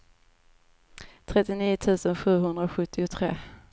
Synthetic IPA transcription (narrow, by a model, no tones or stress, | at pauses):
t̪ʰɾɛt̪ːɪniːʊt̪ʰʉ̟ːsənɧʉ̟ːɦɵnd̪ɾaoɧɵt̪ʰːɪʊt̪ʰɾḛː